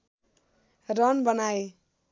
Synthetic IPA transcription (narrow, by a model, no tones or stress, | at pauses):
rʌnbʌnae